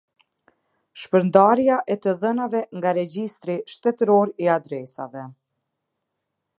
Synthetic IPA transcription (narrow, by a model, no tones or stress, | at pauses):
ʃpəɾnd̪aɾjaʔɛt̪əðənavɛŋɡaɾɛd͡ʑist̪ɾiʃt̪ɛt̪ɾɔɾiad̪ɾɛsa̰vɛ